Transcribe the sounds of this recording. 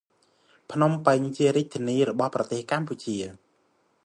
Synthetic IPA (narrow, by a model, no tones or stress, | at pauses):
pʰnompəŋt͡ɕiəɾic̚t̪ʰːiəniːrɔɓɑhprɑt̪eːhkamput͡ɕiə